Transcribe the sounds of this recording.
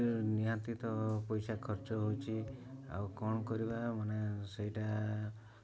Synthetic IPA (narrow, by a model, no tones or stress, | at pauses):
niɦat̪it̪ɔpɔjsakʰɔɾt͡ʃɔɦowt͡ʃʰi | a̰wkɔɳ̃ɔkɔɾibamaneseɦiʈa